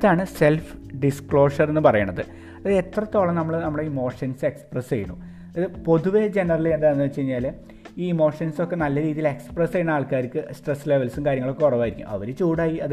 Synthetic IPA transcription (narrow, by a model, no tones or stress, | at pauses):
ɐðaːɳɨse̞lfɖiskɭo̞ːʂɐre̞nːɨpɐrɐjɐɳɖɐðɨ̰ | ɐðet̪rɐt̪ːo̞ːɭɐnɐmːɐɭnɐmːɐɭeiːmo̞ːʂɐnse̞ksprest͡ɕejuɳːṵ | ɐðɨpo̞ðuʋe̞d͡ʑe̞nɐrɐliend̪aːenːɨt͡ɕːe̞jiɲːaːl | iːmo̞ːʂɐnso̞kːe̞nɐlːɐɾiːðile̞kspresejuɳːaːɭkaːɾikʲːɨsʈresːleʋɐlsɨmkaːɾjɐŋɐɭo̞kːekurɐʋaːjiɾikʲːṵɐ̰ʋɐɾet͡ɕuːɽaːjiɐðɨ